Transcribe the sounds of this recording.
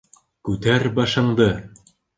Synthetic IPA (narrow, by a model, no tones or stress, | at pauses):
kʉt̪æɾbɑʃɤ̆ɴd̪ɤ